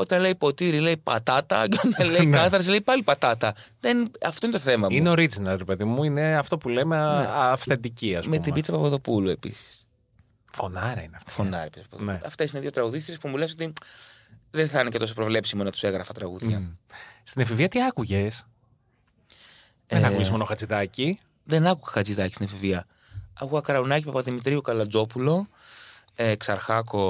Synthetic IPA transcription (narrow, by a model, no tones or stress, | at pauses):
o̞t̪ɐnle̞jpo̞t̪iɾile̞jpɐ̰t̪ɐt̪ɐ̰ɟonɐleinkɐθɐɾɐsle̞ipɐlipɐt̪ɐt̪ɐðenɐft̪o̞inet̪oθe̞mɐmineo̞ɾid͡zinɐlɾepe̞ðimuineɐft̪o̞pulemeeɐfθend̪iciɐsmet̪ibit͡sɐpɐvoðo̞pulue̞pḭsi̥s | fonɐɾɐineɐft̪fonɐɾɐ̰pi̥spɐpoðneɐft̪e̞sineiðjot̪ɾɐɣuðist̪iɾispumule̞s̬o̞t̪i | ðenθɐinece̞t̪o̞s̬opɾo̞vle̞psimonɐt̪u̥se̞ɣɾɐfɐt̪ɾɐɣuðʝɐ̰st̪inɐfiviɐt̪iɐkuʝes | eenɐkuʝezmonoxɐt͡siðɐci | ðenɐkuɣɐxɐt͡siðɐcist̪inɐfiviɐ | ɐɣuɐkɐɾɐunɐcipɐpɐðimit̪ɾiukɐlɐd͡zo̞pulo̞ | eksɐɾxɐko̞